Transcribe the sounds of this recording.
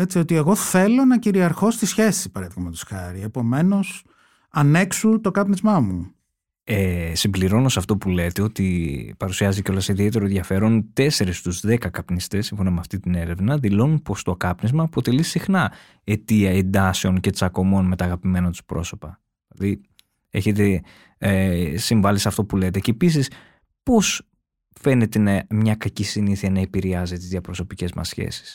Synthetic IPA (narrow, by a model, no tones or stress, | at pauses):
e̞t͡sio̞t̪ie̞ɣo̞θe̞lo̞nɐciɾiɐɾxo̞st̪isçe̞si̥pɐɾeðikɐmet̪o̥sxɐɾiepo̞me̞no̞s | ɐne̞ksut̪o̞kɐpnizmɐmu | esimbliɾo̞no̞sɐft̪o̞pule̞t̪e̞o̞t̪ipɐɾusiɐziceo̞lɐsiðie̞t̪̬e̞ɾoenʝɐfe̞ɾo̞nt̪e̞se̞ɾist̪uzðe̞kɐkɐpnist̪esːimfonomeɐft̪it̪ine̞ɾe̞vnɐðilo̞nunpo̞st̪okɐpnezmɐːpo̞t̪e̞lisixnɐ | e̞t̪iɐe̞nd̪ɐse̞o̞nce̞t͡sɐko̞mo̞nme̞t̪ɐːɣɐpime̞nɐt̪u̥spɾo̞̰so̞pɐ | ilɐði | e̞̰çe̞t̪̬e̞ | siɱvɐlisɐft̪o̞pulet̪e̞ceːpisis | po̞s | fe̞ne̞t̪e̞nɐmɲɐkɐcisiniθiɐnɐepiɾeɐzit̪izðiɐpɾo̞so̞pice̞zmɐ̰sçe̞̰si̥s